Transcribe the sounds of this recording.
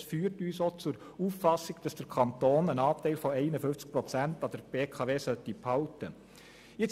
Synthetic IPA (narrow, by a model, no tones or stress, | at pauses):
sfyːrtyːsot͡sʊɾ | uːffɑsiɡd̥ɑsd̥əɾkʰɑnt̪oːnənɑːp̚tɛɪlfɔɛɪnəfʏnft͡sk̚pɾɔt͡sæntɑd̥əɾb̥eːkʰɑveːsœtiphɑʊtə | ɪt͡s